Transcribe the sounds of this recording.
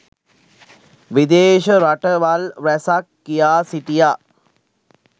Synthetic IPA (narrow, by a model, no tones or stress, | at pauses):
ʋid̪eːʃəɾaʈəʋalʋæsakːijaːsiʈija